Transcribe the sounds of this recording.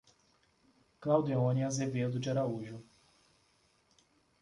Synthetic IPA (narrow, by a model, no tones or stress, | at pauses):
klawd̪eõniazeved̪ʊd͡ʒɪaɾauʒʊ